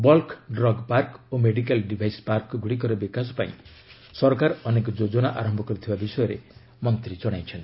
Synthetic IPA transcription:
bɔlkɖɾɔɡpaɾkomeɽik̬alɖibʱajspaɾkːɡuɽik̬ɔɾɔbikasɔ̥pãḭ̃ | sɔɾkaɾɔnekɔd͡ʒod͡ʒɔnaʔaɾɔmbʱɔkɔɾit̪ʰibabisɔjɔɾḛ | mɔnt̪ɾid͡ʒɔɽ̃ajt͡ʃʰɔn

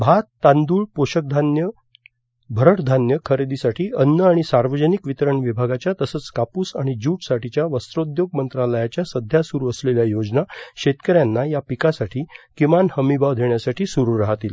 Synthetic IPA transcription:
bʱat̪ːãnd̪uːɭpoɕək̚d̪ʱanjə | bʱəɾəʈd̪ʱanjəkʰəɾed̪isaʈʰiːənːəaɽ̃isaɾʋəd͡ʑənikʋit̪ɾəɳʋibʱaɡat͡ɕjat̪əsət͡skapuːsaɽ̃id͡ʑuːʈsaʈit͡ɕjaʋəst̪ɾod̪joɡ̚mənt̪ɾaləjat͡ɕjasəd̪ʱjasuɾuəsleljajod͡ʑnaɕet̪kəɾjanːajapikasaʈʰiːkimanhəmibaʋd̪ʱeɳjasaʈʰiːsuɾuɾaɦt̪iːl

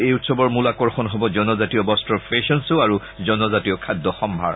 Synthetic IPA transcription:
ejutsɔbɔɹmulakɔɹxɔnɦɔbɔzɔnɔzatiɔbɔstɹɔɹpʰɹeʃɔnsuaɹu | zɔnɔzatijɔkʰadːɔxɔmbʱa̰ɹ

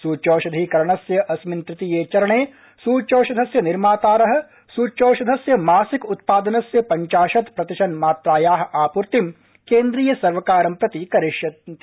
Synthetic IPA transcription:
suːt͡ʃoːʃɐd̪ʱiːkɐɾɐɳ̃ɐsjɐʔɐsmɪnt̪ɾɪt̪ijeːt͡ʃɐɾɐɳeː | suːt͡ʃoːʃɐd̪ʱɐsjɐnɪɾmaːt̪aːɾɐɦɐ̆ | suːt͡ʃoːʃɐd̪ʱɐsjɐmaːsɪkʊt̪̚paːd̪ɐnɐsjɐpɐ̃ɲt͡ʃaːʃɐt̪pɾɐt̪ɪʃɐnmaːt̪ɾaːjaːɦaːpuɾt̪im | keːnd̪ɾiːjɐsɐɾʋɐkaːɾɐmpɾɐt̪ikɐɾɪʃjɐ

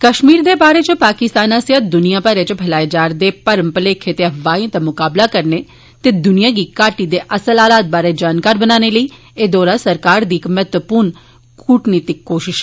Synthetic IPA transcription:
kəʃmiːɾd̪eːbaːɾeːt͡ʃəpaːkɪst̪aːnãsjəd̪ʊnijãːbaːɾeːt͡ʃəbʱəlaːed͡ʒaːɾd̪eːpəɾəmpəleːkʰet̪eəʋaːẽt̪amʊkaːblaːkəɾneː | t̪eːd̪ʊnijãːɡikaːʈid̪eːʔəsəlaːlaːt̪̚baːɾeːd͡ʒaːnkaːɾbənaːneːləiː | eːd̪ɔːɾasəɾkaːɾd̪iːkmɛːt̪ʋəpuːɾn | kʰuːʈniːt̪ɪkːoːʃɪʃ

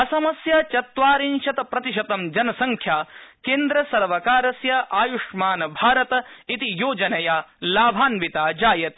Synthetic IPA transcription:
ɐsɐmɐsjaːt͡ʃɐt̪ʋaːɾinʃɐt̪ɐpɾɐt̪iʃɐt̪ɐmd͡ʒɐnɐsɐŋkʰjaːkeːnd̪ɾɐsɐɾʋɐkaːɾɐsjɐʔaːjuʂmaːnɐbʱaːɾɐt̪ɐit̪ijoːd͡ʒɐnɐjaːlaːbʱaːnʋit̪aːd͡ʒaːjɐt̪

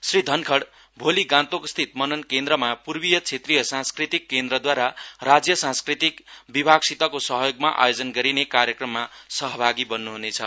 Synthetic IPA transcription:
srid̪ʱʌnkʰʌɽ | bʱoliɡãnt̪okst̪ʰit̪̚mʌnʌnkend̪ɾʌmapurbijʌt͡sʰet̪rijʌsãnskrit̪ikːend̪rʌd̪waɾarad͡zjʌsãnskrit̪ikbibʱaɡsit̪ʌkosʌɦjoɡmaʔa̰jod͡zʌnɡʌɾinekaɾjʌkrʌmːasʌɦʌbʱaɡibʌnːuɦunet͡sʰʌ̰

